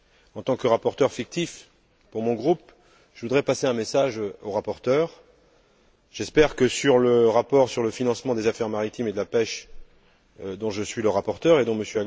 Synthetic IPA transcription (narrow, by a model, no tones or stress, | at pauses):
ɑ̃t̪ɑ̃kəʁapɔʁt̪œʁfik̚t̪if | puʁmɔ̃ɡʁup | ʒ̥əvud̪ʁɛpaseɛ̃mesaʒoʁapɔʁt̪œʁ | ʒ̥ɛspɛʁkəsyʁləʁapɔʁsyʁləfinɑ̃smɑ̃d̪ezafɛʁmaʁit̪imed̪əlapɛʃ | d̪ɔ̃ʒəsɥiləʁapɔʁt̪œʁed̪ɔ̃məsjøa